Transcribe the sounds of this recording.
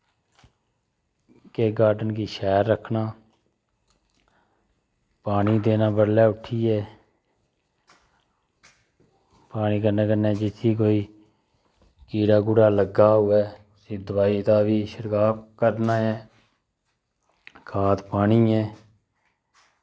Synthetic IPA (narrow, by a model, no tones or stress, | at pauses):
keːɡaːɾɖənkiːʃɛːɾːəkʰnaː | paːniːd̪eːnãːbəɽlɛːʊʈʰːiːɛː | paːniːkəɾnẽːkəneːd͡ʒɪt̪ʰːiːk̬oːiː | kiːɾaːɡʊɽaːləɡaːɦʊɛː | sĩːd̪ʊʋaːiːt̪aːʋiːʃəɾkaːkəɾnaːɛː | kʰaːt̪paːɳiːɛː